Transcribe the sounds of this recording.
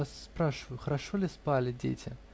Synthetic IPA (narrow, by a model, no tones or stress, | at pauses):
asːpɾaʂɨvəjʊxəɾaʂolʲɪspalʲɪdʲḛtʲʰɪ